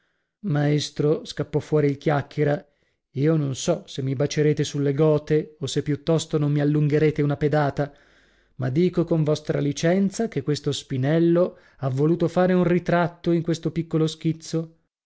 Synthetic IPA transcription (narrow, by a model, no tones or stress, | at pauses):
maest̪ɾoskapːɔfːwɔːɾiilkjakːeɾa | iːononsɔsemːibat͡ʃeɾeːt̪esulːeɡɔːt̪eosepːjut̪ːɔst̪onomːialːuŋɡeɾeːt̪eunaped̪aːt̪a | mad̪ːiːkokoɱvɔst̪ɾalit͡ʃɛnt̪sak̟ekːwest̪ospinɛlːo | avːoluːt̪ofaːɾeunrit̪ɾat̪ːoiŋkwest̪opikːolosk̟it̪sːo